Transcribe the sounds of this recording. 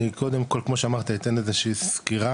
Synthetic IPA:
ikʰo̞d̪e̞mko̞lkmo̞ʃeamaʁt̪ait̪enezeʃiːskiʁa

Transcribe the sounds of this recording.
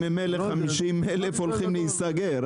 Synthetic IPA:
imeleχχamiʃimelefolχimləhist̪aɡeɾ

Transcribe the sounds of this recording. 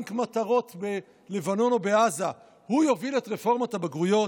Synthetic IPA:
ŋkmataʁo̞t̪be̞ | le̞vano̞nobe̞aza | hujo̞viletʁefo̞ʁmatabaɡʁujo̞

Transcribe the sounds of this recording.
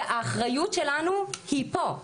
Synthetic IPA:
ʔaːχʁajutʃelanuhipo̞

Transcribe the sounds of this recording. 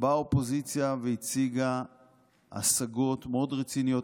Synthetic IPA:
bao̞po̞zit͡sjaveit͡siɡa | a̰saɡo̞t̪meo̞dʁet͡sinijo̞

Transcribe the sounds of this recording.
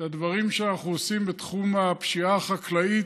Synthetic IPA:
ad̪vaʁimʃeanaχuosimbet̪χumapʃiaχaklai

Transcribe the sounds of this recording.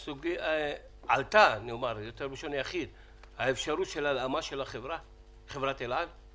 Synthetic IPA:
suɡia | a̰lt̪aniomaʁjot̪eʁbiʃonjaχid̪ | haefʃaɾut̪ʃelalamaʃelaχevʁa | χevʁat̪elal

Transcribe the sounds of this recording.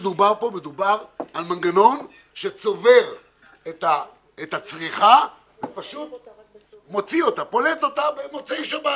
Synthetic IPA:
d̪ubaʁpo̞me̞d̪ubaʁalmanɡano̞n | ʃet͡so̞veʁ | et̪a | et̪at͡sʁiχa | vepaʃut̪ | mo̞t͡sio̞t̪apo̞leto̞t̪abemot͡siʃeba

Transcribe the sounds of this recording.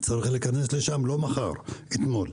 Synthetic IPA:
t͡saɾiχlikanesle̞ʃamlo̞maχa̰ʁet̪mo̞l

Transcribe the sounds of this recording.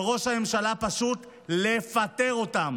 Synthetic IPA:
ʁo̞ʃhame̞mʃalapaʃut̪ | le̞fat̪e̞ʁo̞tam

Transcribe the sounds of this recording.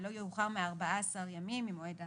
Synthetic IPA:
lo̞jeuχaʁmeaʁbaaasaʁjamimimoeda

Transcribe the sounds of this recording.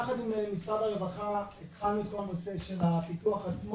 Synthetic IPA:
aχat̪imemisʁadaʁevaχaet̪χalnuet̪̚ko̞lanose̞ʃelapituaχat͡smo

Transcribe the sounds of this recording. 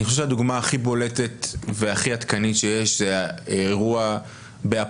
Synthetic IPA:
niχoeʃad̪uɡmaːχibo̞le̞t̪e̞tve̞aχiat̪kanitʃejeʃzeeʁua | bea

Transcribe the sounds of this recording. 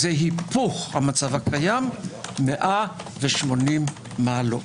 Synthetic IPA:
zeɦipuχhamat͡savakʰajamːeʔaveʃmo̞nimː | alo̰

